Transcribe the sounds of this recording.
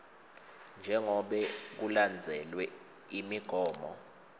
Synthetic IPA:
nd͡ʒʱɛŋɔɓɛk̬uland͡zʱɛlwɛ | imiɡ̥ʱɔːmɔ̰

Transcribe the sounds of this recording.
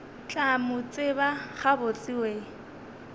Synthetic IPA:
t͡ɬʼamʊt͡sʼɪbaχabʊt͡sʼiweː

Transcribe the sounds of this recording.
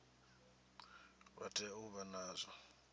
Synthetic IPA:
βa̰tʰʼɛuβanaːzɔ

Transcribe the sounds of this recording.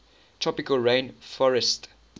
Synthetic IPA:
tʰɹɔpɪkəlɹẽnfɔɹɛst

